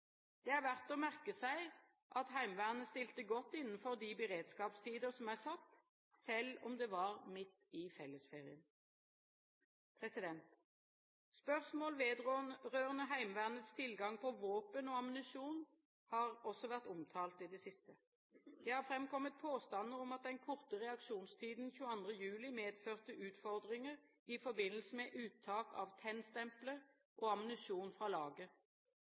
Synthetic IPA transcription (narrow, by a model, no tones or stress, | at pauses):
d̪̥ɛːæʁʋæʁt̪ɔːmæʁkəsæɪ | ʔɑt̪ɦæɪmʋæːʁnəst̪ɪlt̪əɡɔt̪ːɪnːn̩fɔʁd̪ibəʁeːd̪skɑːpst̪ʰiːd̪əʁsɔmæɪsɑt̪ː | sɛlɔmd̪ɛːʋɑʁmɪt̪ːɪfɛlːəsfeːʁɪən | pʰʁɛsɪd̪ɛnt̪ | spœʁsmoːlʋeːd̪ʁoːnʁøːʁənəɦæɪmʋæːʁnət̪st̪ʰɪlɡɑŋpʰɔʋoːpənoːɑmənɪsuːn | hɑːʁɔsɔʋæʁt̪ʊmt̪ʰɑːlt̪id̪ɛsɪst̪ə | d̪̥ɛːhɑʁfʁɛmkɔmːət̪̚pʰoːst̪ɑnːəʁɔmɑt̪̚d̪ɛnkʰʊʁt̪əʁɛɑkʃuːnst̪ʰiːd̪n̩çʉːəɑnd̪ʁəjʉːlɪmeːd̪føːʁt̪əʔʉːt̪fɔʁd̪ʁɪŋəʁ | ɪfɔbɪnəlsəmɛʔʉːt̪ʰːɑːkʰɑ̰ːʋt̪ʰɛnst̪ɛmpləʁ | ʔoːɑmənʉsuːnfʁɑːlɑːɡə